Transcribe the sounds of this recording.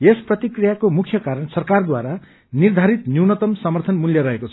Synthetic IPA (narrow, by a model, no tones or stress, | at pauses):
esprʌt̪ikrijakomukʰjʌkaɾʌnsʌrkard̪waɾa | nird̪ʱaɾit̪njuwnʌt̪ʌmsʌmʌrt̪ʰʌnmuljʌɾʌɦekot͡sʰʌ